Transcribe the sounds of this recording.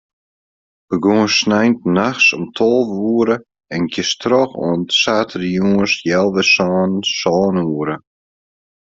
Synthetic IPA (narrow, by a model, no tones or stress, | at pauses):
b̥əɡuːsnɛjnt̚naxsɔmtʰɔlˠvuːəɾə | ɛnkʰjəstʰrɔxɔ̰ːnsaːtʰərəjuəsjɛlˠʋəsɔːnsɔːnuəɾə